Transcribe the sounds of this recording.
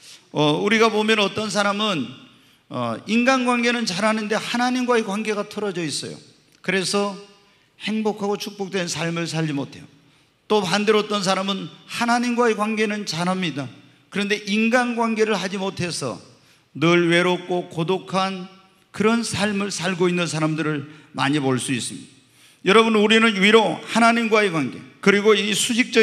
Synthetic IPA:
ʌuɾiɡapomjʌnʌt͈ʌns̬ʰaɾamɯn | ʌ̰inɡanɡwanɡe̞nɯnt͡ɕaɾɦanɯnde̞hanaɲimɡwae̞kwanɡe̞ɡatʰʌɾʌd͡ʑʌis͈ʌjo̰ | kɯɾe̞sʰʌ | he̞ŋbokʰaɡot͡ɕʰuk̚p͈ok̚t͈wensʰaɭmɯɭs̬ʰaʎd͡ʑimotʰe̞jo | t͈opandeɾʌt͈ʌns̬ʰaɾamɯnhanaɲimɡwae̞kwanɡe̞nɯnt͡ɕaɾɦamɲida | kɯɾʌnde̞ʔinɡanɡwanɡe̞ɾɯɭhad͡ʑimotʰe̞sʰʌ̰ | nɯɭwe̞ɾok͈̚okodokʰan | kɯɾʌnsʰaɭmɯɭsʰaɭɡoinːɯns̬ʰaɾamdɯɾɯɭma̰ɲipoɭs͈uis͈ɯmɲḭd̥a | jʌɾʌbɯnuɾinɯniɾohanaɲimɡwaekwanɡe̞̰kɯɾiɡoisʰuɕʰik̚t͡ɕ͈ʌ

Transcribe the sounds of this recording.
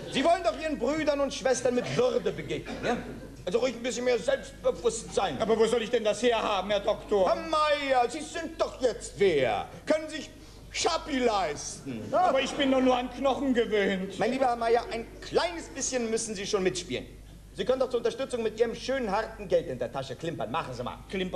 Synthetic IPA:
ziːvɔləndɔχʔiːʁənbʁyːdɐnʊntʃv̥ɛstɐnmɪtv̥ʏʁdəbəɡeːɡnənjaː | ʔalzoʁɪçnbɪsçənmeːɐzɛlpst̚b̥əvʊstz̥aɪnʔaːbɐvoːzɔlɪçd̥ɛndasheːɐhaːbm̩hɛɐdɔktoːɐhamaɪɐziːzɪnt̚d̥ɔχjɛt͡stv̥eːɐkʰœnənzɪç | ʃapilaɪstn̩aːbɐɪçb̥ɪndɔχnuːɐanknɔχn̩ɡəvøːntmaɪnliːbɐhaɐmaɪɐʔaɪnkl̥aɪnəsb̥ɪsçənmʏsn̩ziːʃoːnmɪtʃpḭːlə̰n | z̥iːkʰœndɔʊtt͡suːɐʊntɐʃtʏt͡sʊŋmɪtʔiːʁəmʃøːnənɦaʁtn̩ɡɛltɪndeːɐtʰaʃəkl̥ɪmpɐ̰nmaχn̩ziːma̰ːlklɪmpɐ

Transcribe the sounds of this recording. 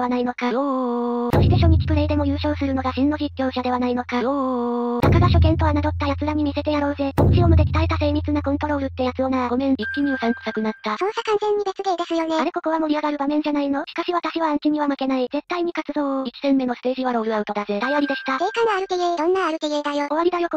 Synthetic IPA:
anaino̞ka | so̞ɕi̥t̪e̞ɕo̞mʲikʲi̥kɯ̟ɾe̞id̪e̞mo̞jɯ̟ːɕo̞ːsɨɾɯ̟no̞ɡaɕĩnːo̞ʑikʲːo̞ːɕad̪e̞βanaino̞kaonakaɡaɕo̞kẽ̞nt̪o̞βanad̪o̞t̪ːajat͡sɨɡamʲimʲise̞t̪e̞jaɾo̞ːze̞ot͡ɕiomɯ̟d̪e̞kʲi̥t̪aɾet̪ase̞ːɾʲit͡sɨnakõ̞nt̪o̞ɾo̞ːɾɯ̟t̪ːe̞jat͡sɨo̞naaɡo̞mẽ̞ŋikʲːiɲ̟iosãŋko̥sakɯ̟nat̪ːasonsakãñzẽ̞ɲ̟ːibet͡sɨɡe̞ːd̪e̞sɨjo̞neaɾe̞ko̞ko̞βamoɾʲiaɡaɾɯ̟bamẽ̞ɲ̟d͡ʑanaino̞ɕi̥kaɕiβat̪aɕiβaːŋkʲimʲiβamake̞naize̞t̪ːaiɲ̟ikat͡sɨzo̞ːit͡ɕi̥zẽ̞mːe̞no̞sɨ̥t̪e̞ːʑiβaɾo̞ːɾɯ̟aɯ̟t̪o̞d̪aze̞t̪aiaɾʲid̪e̞ɕi̥t̪akeːkanoaɾɯ̟keɡed̪õ̞nːaːɾɯ̟keɡed̪ajo̞o̞βaɾid̪ajo̞k

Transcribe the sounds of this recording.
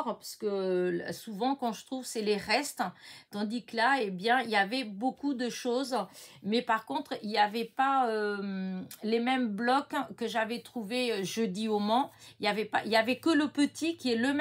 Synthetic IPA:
ʁpaʁsə̥kəl̰suvɑ̃kɑ̃ʒət̪χuvsɛleʁɛst̪t̪ɑ̃d̪ikəlaebjɛ̃iljavɛbokud̪əʃozmɛpaʁkɔ̃t̪χiljavɛpaømlemɛmblɔkːəʒavɛt̪χuveøʒəd̪iomɑ̃iljavɛpaʔiljavɛkələpət̪ikʲiɛləm

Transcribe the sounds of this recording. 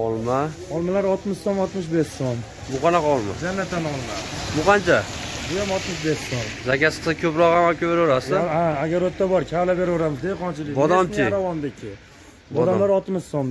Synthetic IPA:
ɒlˠmaɒlˠmalaɾɒt̪mɪʃsomɒt̪mɪʃbessom | bʊqʰɑnaqɑɒlˠma̰d͡ʒanːat̪ːanɒlˠmabʊqʰɑnt͡ʃʰabʊjamɒt̪mɪʃbe̞ssomzakʲasɪ̥qɨzakʲʰɵpɾɒʁamakʲabeɾɒɾasɪaaɡʲaɾot̪ʰːabɒɾkʲʰalabe̞ɾvɒɾamɪzd̪ejqʰɒnt͡ʃʰɪlɪkb̪ɒd̪ɒmiɾavɒnd̪ɪkʲʰɪ | bɒd̪amlaɾɒt̪mɪʃom

